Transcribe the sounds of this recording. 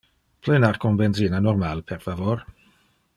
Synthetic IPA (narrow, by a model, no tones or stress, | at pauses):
pʰlɛnarkʰɔnbɛnzinanɔrmalpʰɛrfavor